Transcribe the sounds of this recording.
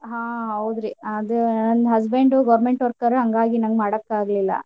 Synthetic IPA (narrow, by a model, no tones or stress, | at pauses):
ɦãːɦɐwd̪ɾiɐd̪unɐnɦɐs̬beɳɖuɡɐʋɾmeɳʈɔɾkɐɾuɦɐŋɡaːɡinɐŋɡmaːɽɐkːaːɡɐlilːɐ̰